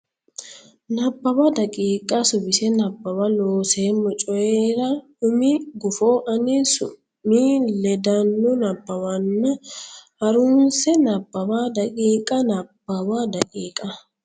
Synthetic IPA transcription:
nɐbːɐbɐd̪ɐkʼiːkʼːɐsʊbɪsɛnɐbːɐbɐloːseːmːʊt͡ʃʼɔjeːɾɐ | ʊmɪɡʊfoːʔɐnisʊ̰ | miːlɛd̪ɐnːɔnɐbːɐwɐnːɐhɐɾʊnsɛnɐbːɐbaːd̪ɐkʼiːkʼːɐnɐbːɐbad̪ɐkʼiːkʼːɐ

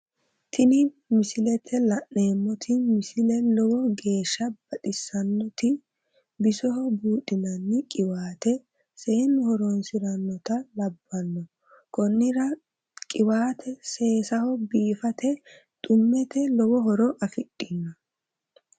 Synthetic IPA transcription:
t̪ʰɪnɪ | mɪsɪlɛt̪ʰɛlɐʔneːmːɔt̪ʰɪmɪsɪlɛlɔwɔɡe̞ːʃːɐb̥ɐɗɪsːɐnːɔt̪ɪ | bɪsɔɦɔbuːᶑʼɪnɐnːɪkʼɪwaːt̪ɛ | se̞ːnhɔɾɔnsɪɾɐnːɔt̪ɐlɐbːɐnːɔ | kɔnːɪɾɐ | kʼɪwaːt̪ʰɛse̞ːsɐhɔbiːfɐt̪ɛ | t̪ʼʊmːɛt̪ɛlɔwɔhɔɾɔʔɐfɪɗːɪnːɐ

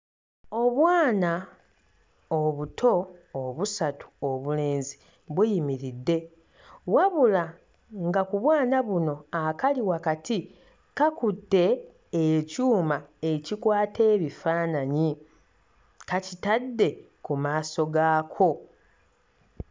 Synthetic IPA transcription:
o̞βwaːna | oβutʰo̞ːβusatu̥o̞βule̞ːnzi | βwijimiɾidːe̞ | waβula | ŋɡakuβwaːnaβuno̞akaliwakatʰi | kakutːe̞ː | cuːmae̞cikwaːte̞ːβifaːnaɲi | kacitadːe̞ | kumaːso̞ɡaːkʰo̞

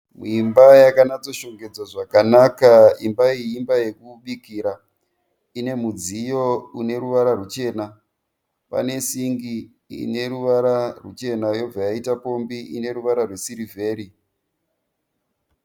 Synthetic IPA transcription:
muimbajakanad͡zo̞ʃo̞ŋɡe̞d͡zwaʐakanakaimbaiːmbaje̞kuɓikiɾa | ine̞mud͡zijo̞une̞ɾuʋaɾarut͡ʃe̞ːna | pa̰ne̞siŋɡi | ḭne̞ɾuʋaɾarṵt͡ʃe̞najo̞b͡vajaitapo̞mbiʔine̞ɾuʋaɾarwe̞siɾivʱe̞ːɾi

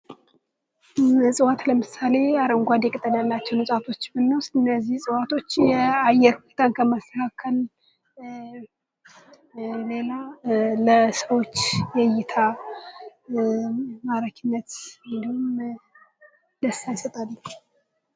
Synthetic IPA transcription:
sʼɨwat̪ləmɨsale̞aɾəŋɡʷad̪ɛkʼət̪ʼːəd̪alːat͡ʃːɛwnɨsʼat̪ʰo̞t͡ʃːmɨnːosɨnːəzːihsʼɨwat̪ʰo̞t͡ʃːjɛajɛɾhunet̪ʰaŋkʰəmast̪əkʰakʰəl | le̞laləsəwo̞t͡ʃːjɛjɪt̪ʰa | maɾəkʰɨnːət̪ɨnd̪ihum | d̪əsajsət̪ʼalː

